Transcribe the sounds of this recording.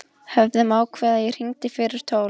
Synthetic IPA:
hɛvðɛmaːwkʰvɛːðair̥iŋt̪ɪfɪɾɪɾ̥t̪ʰoːwl

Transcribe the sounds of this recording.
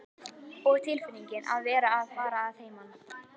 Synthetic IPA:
ɔɣt̪ʰɪlfɪniɲcɪnʔa̰ðvɛːɾaːðfaːɾaːðheːjman

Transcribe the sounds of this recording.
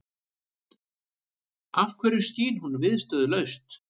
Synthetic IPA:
afkʰvɛːɾʏsc̪iːnhunvɪðst̪œːðʏlœɥst̪

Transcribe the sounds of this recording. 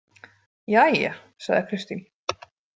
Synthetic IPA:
jajɛ | saɣðɪkʰɾɪst̪in

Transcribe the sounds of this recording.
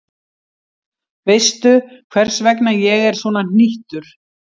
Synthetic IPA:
vɪjst̪ʏkʰvɛr̥svɛknajɛɣɛɾ̥svɔːnan̥iht̪ʏɾ̥

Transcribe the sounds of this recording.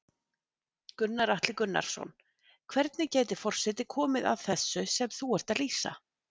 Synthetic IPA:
kʏnːaɾaht̪lɪkʏnːa̰ɾ̥sɔ̰n | kʰvɛɾt̪nɪcɛːt̪ɪ̥fɔr̥sɛt̪ɪkʰɔːmɪða̰ðθɛsːʏsɛmθuɛr̥t̪aðliːsa̰

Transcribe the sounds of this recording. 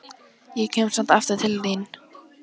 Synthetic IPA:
jɛcʰɛːmsant̪aft̪ʏ̥t̪ʰɪlðin

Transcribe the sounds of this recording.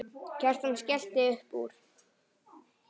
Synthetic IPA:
cʰɛr̥t̪anscɛlt̪ɪʏhpṵːɾ̥

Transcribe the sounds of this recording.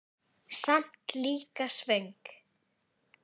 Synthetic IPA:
sam̥t̪liːkasveŋk

